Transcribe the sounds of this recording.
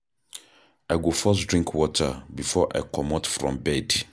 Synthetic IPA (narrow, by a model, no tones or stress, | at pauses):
aɪɡofɔs̬dɹĩŋkʰwɔtʰəbifɔʔa̰jkɔmɔtfɹɔ̰̃mbɛd